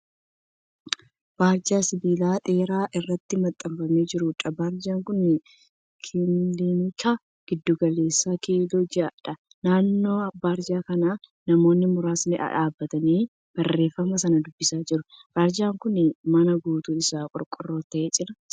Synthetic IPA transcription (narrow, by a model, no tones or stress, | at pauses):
b̥aːɾd͡ʒaːsɪbiːlaːt̪ʼeːɾaːʔɪrːɐt̪ːɪmɐt̪ʼːɐmfɐmeːd͡ʒɪɾʊᶑɐbaːɾd͡ʒaːŋkʊnːɪ | kʰɪliːmɪkʰaː | ɡ̥ɪd̪ːuɡɐle̞ːsːaːkilod͡ʒɪɐᶑɐ | naːnːo̞ːɐbaːɾd͡ʒaːkɐnaːnɐmo̞ːnːɪmʊɾaːsnɪʔɐ̰ᶑaːbːɐt̪ɐniː | b̥ɐrːe̞ːfːɐmɐsɐnɐd̪ʊbːɪsaːd͡ʒɪɾʊb̥aːɾd͡ʒaːŋkʊnɪmɐnɐɡuːt̪uɪsaːkʼɔ̰ɾkʼʊrːo̞ːt̪ɐʔeːt͡ʃʼɪɾɐ